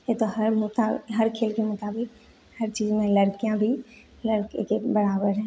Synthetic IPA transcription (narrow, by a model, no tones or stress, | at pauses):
jet̪ohəɾmʊt̪aːɦəɾkʰeːlkemʊt̪aːbɪk̚ | hɐɾt͡ʃiːzmẽləɾkijãbʱi | ləɾkkebɐɾaːbəɾɦɛ̃ː